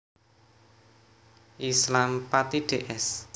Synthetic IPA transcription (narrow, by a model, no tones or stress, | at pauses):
ʔislampat̪iɖ̥eʔɛs